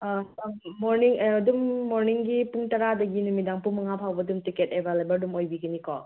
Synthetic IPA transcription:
moɾniŋːdumːoɾniŋɡipuŋtɐɾadɐɡinumidaŋpumɐŋapʰawbɐdumtiketebʱalebɐɾdumojbiɡɐnikɔ

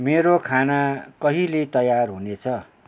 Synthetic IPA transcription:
meɾokʰanakʌɦilet̪ʌjarɦunet͡sʰʌ

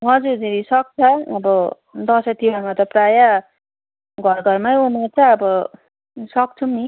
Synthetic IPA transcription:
ɦʌd͡zuɾd͡ziɾisʌk̚t͡sʰʌːbʌ | d̪ʌsʌt̪ʰiwamat̪ʌpraja | ɡʱʌrɡʱʌrmaumert͡sʰʌʌbʌ | sʌk̚t͡sʰumi

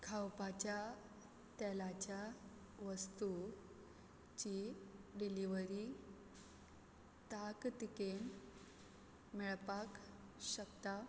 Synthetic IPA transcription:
kʰawpat͡ɕja | t̪ɛlat͡ɕja | ʋəst̪u | t͡ɕiɖiliʋəɾi | t̪akt̪iken | mɛɭpakɕəkt̪a

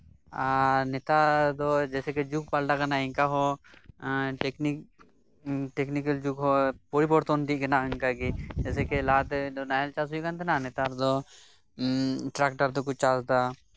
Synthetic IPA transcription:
anɪt̪aːd̪oːd͡ʒɛːseked͡ʒuk̚palɖakənaːɪ̃ŋkaɦo | ʈeknik | ʈeknikəld͡ʒukɦoːpoːɽipoɾt̪oːnd̪iːkənaɪŋkaɡid͡ʒɛːsekelaːt̪ːnaːlt͡ʃaːsɦuikə̃nt̪enanɪt̪aɾd̪o | ʈɾakʈəɾd̪ok̬ʊt͡ʃt͡ʃaːsd̪aː

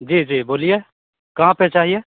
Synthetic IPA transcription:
d͡ʒiːd͡ʒiːboːlie | kɐɦãpet͡ʃaːɦie

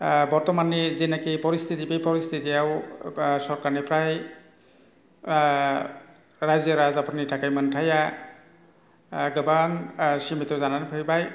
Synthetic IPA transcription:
bɔɹtɔmanizinakipɔɾist̪ʰitibejpɔɾist̪ʰitijawsɔɾkanipʰɾaj | ɾajzəɾazapunitʰakajmantʰaja | ɡɯbaŋsimitɔzananpʰɯjbaj

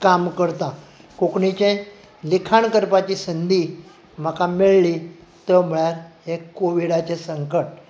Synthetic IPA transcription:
kamkəɾt̪ã | kokɳit͡ɕẽ | likʰaɳkəɾpat͡ɕisənd̪ʱi | m̤əkamiɭli | t̪əm̤əɭjaɾhekoʋiɽat͡sesəŋkəʈ̚

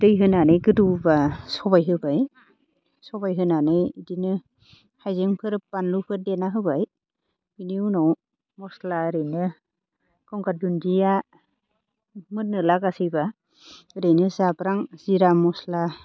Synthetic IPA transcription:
d̥ɯjɦɯnanɯjɡɯdubasɔbajɦɯbaj | sɔbajɦɯnanɯjdinɯ | hajzeŋpʰɯɾɯpbanlupʰɯdenaɦɯbaj | b̥iniwnɔw | mɔslaɾɯjnɯ | kɔŋɡadundija | mɯnːɯlaɡasijba | ɾɯjnɯzabɾaŋz̥iɾamɔsla

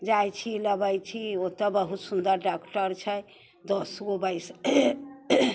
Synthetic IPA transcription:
d͡ʒajt͡ʃʰiləbəjt͡ʃʰiot̪ɔbəɦut̪sund̪əɾɖakʈəɾt͡ʃʰɛ | d̪ɔsɡobəjs

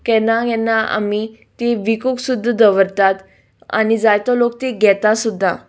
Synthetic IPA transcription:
kɛnajɛnːaa̰mi | t̪eʋikoksud̪ʱːd̪əʋəɾt̪at̪ | a̰nid͡zajt̪ɔlok̚t̪eɡɛt̪asud̪ʱːa

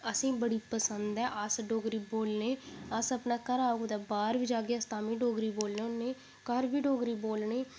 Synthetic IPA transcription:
əsĩːbəɽiːpəsənd̪ɛːʔəsɖoːɡɾiːboːlneːəsəpnaːkəɾaːoɡd̪aːbaːɾʋɪd͡ʒaːɡeɛst̪aːmĩːɖoːɡɾiːboːlnẽːneː | kəɾbiːɖoːɡɾiːboːlneː

